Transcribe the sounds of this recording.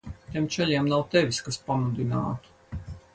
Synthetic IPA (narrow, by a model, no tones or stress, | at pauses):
t̪ʲɛmt͡ʃɛʎʲiɛmnawt̪ɛvʲiskaspamud̪ina̰ːt̪u̥